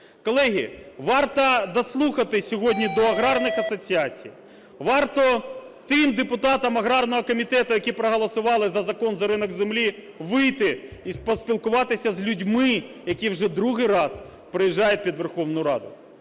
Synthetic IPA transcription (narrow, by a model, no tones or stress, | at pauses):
kɔlˠɛɦʲḭʋɑrt̪ɐd̪ɐslˠuxɐt̪ɪsʲɔɦɔdʲnʲid̪ɔɐɦɾɑrnɪxɐsɔt͡sʲiɑt͡sʲḭj | ʋɑrt̪ɔt̪ɪmd̪epʊt̪ɑt̪ɐmɐɦɾɑrnɔɦɔkɔmʲit̪ɛt̪ʊjɐkʲipɾɔɦɔlˠɐsʊʋɑlˠɪzɐzɐkɔnzɐɾɪnɔɡzemlʲi | ʋɪjt̪ɪispɔsʲpʲilˠkʊʋɑt̪ɪsʲɐzʲlʲʊdʲmɪjɐkʲiwʒɛd̪ɾuɦɪjɾɑz | pɾɪjiʒːɑjʊt̚ʲpʲid̪ʋerxɔwnʊjʊɾɑ̰d̪ʊ̰